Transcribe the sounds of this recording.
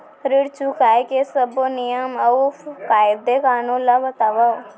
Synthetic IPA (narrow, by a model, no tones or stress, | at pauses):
ɾɪɽt͡ʃukaːjkesəbonijəmɐkaːjd̪ekaːnõlabət̪aːʋa